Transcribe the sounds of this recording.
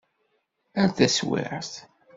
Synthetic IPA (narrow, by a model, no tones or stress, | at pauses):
æɾθæswɪ̰ʕθ